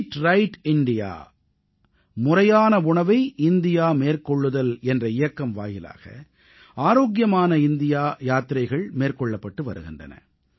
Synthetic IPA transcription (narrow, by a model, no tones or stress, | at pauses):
ʈɾɐɪʈɪɳɖɪja̰ː | mʊrɐjaːnɐʊɳɐʋɐɪʔɪnd̪ɪjaːmeːrkɔɭːɯðɐlɛndrɐɪjɐkːɐmʋa̰ːjɪla̰ːɣɐ̰ | aːɾoːɣ̬jɐmaːnɐɪnd̪ɪjaːjaːt̪ɪɾɐɪɣɐɭmeːrkɔɭːɐpːɐʈːɯʋɐ̰ɾɯ̰ɣɪndrɐ̰nɐ̰